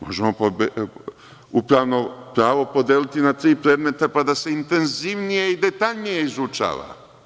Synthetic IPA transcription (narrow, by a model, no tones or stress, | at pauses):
mo̞̰ʒemo̞pobe | upɾaːʋno̞pɾaːʋo̞po̞d̪eːlit̪inat̪ɾiːpɾe̞ːd̪me̞t̪apad̪ase̞int̪e̞nziʋnije̞id̪e̞t̪aʎnije̞izut͡ʃa̰ːʋa̰